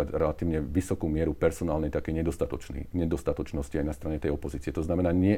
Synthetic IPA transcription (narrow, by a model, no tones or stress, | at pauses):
aɟɾɛlat̪iːʊɲɛʋisɔkuːmɪɛɾupɛɾsɔnaːlnɛjt̪akɛjɲɛd̪ɔst̪at̪ɔt͡ʃnḭːɲɛd̪ɔst̪at̪ɔt͡ʃnɔsciajnast̪ɾaɲɛt̪ɛjɔpɔziːt͡siɛt̪ɔznamɛnaːɲɪɛ